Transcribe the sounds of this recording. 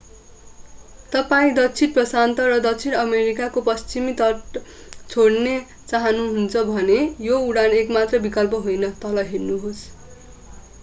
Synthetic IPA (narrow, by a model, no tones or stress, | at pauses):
t̪ʌpaĩd̪ʌt͡sʰiʈprʌsant̪ʌɾʌd̪ʌt͡sʰinʌmeɾikakopʌst͡simit̪ʌ | t͡sʰoɽne | t͡saɦʌnuɦunt͡sʰʌbʱʌnejouɽanekmat̪rʌbikʌlpʌɦojnʌt̪ʌlʌɦirnuɦos